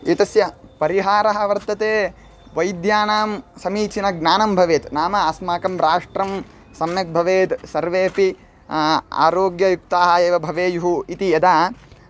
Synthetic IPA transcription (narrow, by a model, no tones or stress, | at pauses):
jut̪ɐsjɐpɐɾiɦaːɾɐɦɐʋɐɾt̪ɐt̪eː | ʋɐjd̪jaːnaːmsɐmiːt͡ʃʰinɐɡnaːnɐmbʱɐʋeːt̪naːmɐɐsmaːkɐmɾaːʂʈɾɐm | sɐmjɐk̚bʱɐʋeːt̪sɐɾʋeːpi | a̰ːɾoːɡjɐjuk̚t̪aːɦɐeːʋɐbʱɐʋeːjuɦuit̪ijɐd̪aː